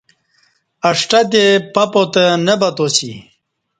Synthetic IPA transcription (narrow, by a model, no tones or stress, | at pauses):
ɐʂʈɐt̪epɐpot̪ənəbɐt̪osḭ